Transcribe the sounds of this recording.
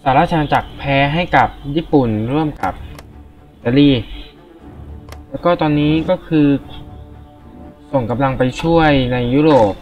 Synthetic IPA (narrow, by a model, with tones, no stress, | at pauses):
saː˩˦laː˥˩t̪ʰa˧na˧t͡ɕa˨˩k̚pʰɛː˦˥ɦa˥˩jka˨˩p̚jiː˥˩pu˨˩nɾu˥˩əmka̰˨˩p̚ʔʔʔi˧˩t̪aː˧liː˥˩ | lɛː˦˥wkɔː˥˩t̪ɔː˧nːiː˦˥kɔː˥˩kʰɯː˧ | so˨˩ŋka˧mla˧ŋpa˧jt͡ɕʰu˥˩əjna˧jːuː˦˥˩ɾoː˨˩p̚